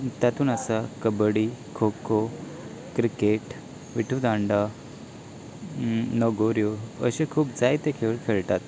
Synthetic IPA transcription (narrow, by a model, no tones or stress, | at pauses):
t̪jat̪uːnasakəbɽikʰokʰo | kɾikeʈ | ʋiʈʰud̪ãɳɖa | nɔɡoɾjoə̰ɕekʰuːpd͡zajt̪ekʰeʋɭkʰeɭʈat̪